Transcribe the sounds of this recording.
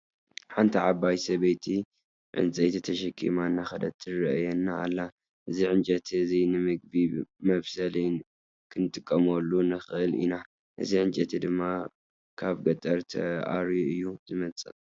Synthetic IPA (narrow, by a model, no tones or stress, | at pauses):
ħant̪ʰiʕabajsɐβejt̪ʰi | ʕɨ̰nt͡sʼɐjt̪ʰit̪ʰɐʃɐkʰḭmanːaxɐd̪ɐt̪ʰːɨɾɐjɛnːa̰ːlːa | ʔɨziʕɨnt͡ʃʼɐt̪ʰizinɨmɨɡ̚bimɐβsɐli | kʰɨnɨt̪ʼɨkʼːɐmɐlːunɨxɨʔɨlḭna | ʔɨ̰ziʕɨnt͡ʃʼɐt̪ʰid̪ɨmːa | kʰaβɡɐt̪ʼɐɾt̪ʰɐ̰ʔa̰ɾjuɨjːuz̥ɨmɐt͡sʼɨ